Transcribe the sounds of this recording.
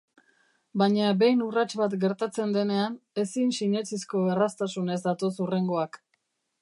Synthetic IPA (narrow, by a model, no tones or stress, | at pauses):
baɲabe̞jnurat͡ʃβat̪ɡe̞ɾt̪at͡se̞nd̪e̞ne̞ane̞sinsiɲe̞t͡sisko̞erast̪asune̞zd̪at̪o̞sure̞ŋɡo̞ak